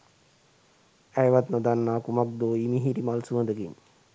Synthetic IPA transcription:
æjʋat̪nəd̪anːaːkumak̚d̪oːimiɦiɾimalsuənd̪əɡiɲ

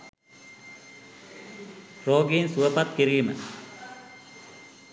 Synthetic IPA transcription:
roːɡiːnsuʋəpat̪̚kiɾiːmə̰

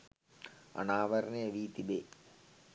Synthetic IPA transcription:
ɐ̰naːʋɐɾɐneɐʋiːt̪ibe

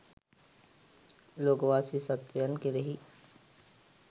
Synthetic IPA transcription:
loːɡʋaːsisɐt̪ʋəjənkeɾɐɦi

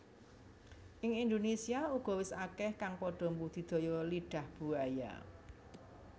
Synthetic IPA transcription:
ʔɪŋind̪onesiauɡ̥ɔ̤wɪsakɛhkaŋpɔɖ̥ɔ̤mbud̪̥i̤d̪̥o̤jɔliɖ̥ä̤hb̥ṳaja̰

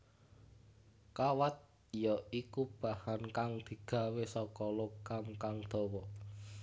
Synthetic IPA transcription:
kawat̪̚ | jɔikub̥a̤hankaŋd̪̥i̤ɡ̥a̤wesɔkɔlokamkaŋd̪̥ɔ̤wɔ

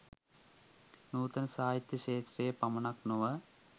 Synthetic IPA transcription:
nuːt̪ɐnsaːjit̪jɐʃeːʃrejɐpɐmɐɳɐknuʋɐ

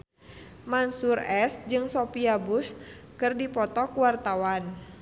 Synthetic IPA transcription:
mansurɛsd͡ʒɨŋsopiabus | kɨrdipɔt̪ɔkuwart̪awan

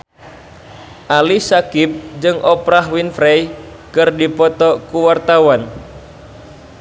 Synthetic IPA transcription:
ʔalisakip̚d͡ʒɨŋʔɔpɾaɦwinfɾɛj | kɨrdipɔt̪ɔkuwart̪awan

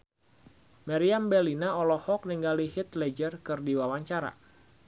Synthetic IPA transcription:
maɾiambɛlinaɔlɔhɔk̚niŋɡalihit̪lɛd͡ʒərkɨrdiwawaɲt͡ʃaɾa̰

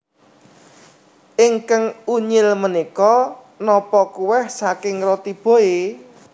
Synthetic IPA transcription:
ʔɪŋkaŋuɲɪlmənikɔ | nɔpɔkuwɛhsakɪŋrɔt̪ib̥o̤e

